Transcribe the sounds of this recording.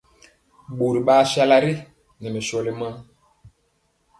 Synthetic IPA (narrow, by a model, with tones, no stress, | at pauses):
ɓo˨ɾi˨ɓa˦ʃa˦la˦ɾi˦ | nɛ˨mɛ˨ʃɔ˦li˦ma˦